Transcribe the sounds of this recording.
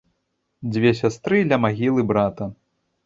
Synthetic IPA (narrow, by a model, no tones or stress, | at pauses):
d͡zʲvʲɛsʲast̪ɾɨd̪lʲɐmaɣʲilˠɨbɾat̪ɐ